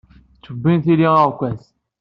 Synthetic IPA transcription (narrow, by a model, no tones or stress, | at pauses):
t͡sːəbːinθiliəʁkʷːæs